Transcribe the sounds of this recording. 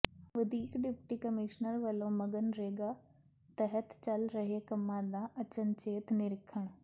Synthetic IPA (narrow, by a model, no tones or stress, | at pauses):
ʋɐd̪ʱiːkɖɪpʈikɐmɪːʃnəɾʋɐlomɐɡənɾeːɡa | t̪ɐɦət̪t͡ɕɐlɾɐɦekɐmãd̪ãʔɐt͡ɕən̆t͡ɕeːt̪nɪɾɪkʰəɽ̃